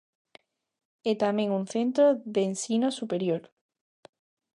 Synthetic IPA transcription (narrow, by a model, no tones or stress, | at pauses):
et̪amjẽ̞ŋun̟θe̞nt̪ɾoðensinosupeɾjoɾ